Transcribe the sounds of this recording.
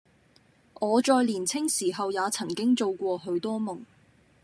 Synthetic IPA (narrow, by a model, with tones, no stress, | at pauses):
ʔɔː˨˧t͡ʃɔː˧jliː˨˩nt͡sʰɪ˥ŋsiː˨˩ɦɐ˨wjaː˨˧t͡sʰɐ˨˩ŋkɪ˥ŋt͡so˧wkʷɔː˧ɦɵ˨˧˥ɥt̪ɔː˥mʊ˨˩ŋ